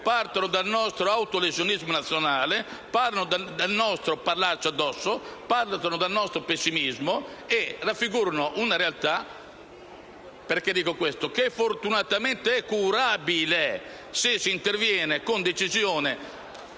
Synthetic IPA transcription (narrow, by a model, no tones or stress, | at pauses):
paɾt̪anod̪alnɔst̪ɾoawt̪olezjonizmonat̪sːjonaːle | paɾanod̪d̪alnɔst̪ɾopaɾlaɾt͡ʃad̪ːɔsːopaɾlt̪anod̪alnɔst̪ɾopesːimizmoerːafːiɡuːɾonoʔunaɾealt̪a | peɾked̪ːiːkokwest̪okefːoɾt̪unat̪amɛnt̪eɛkːuɾabile | sesint̪eɾvjɛːnekond̪et͡ʃizjoːne